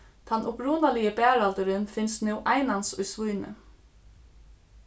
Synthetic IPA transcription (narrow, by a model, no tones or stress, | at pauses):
t̪ʰanʊpɾuːnalɪjəbæːɾalt̪əɾɪnfɪnst̪nɪwʔajnansʊjsvujnɪ̰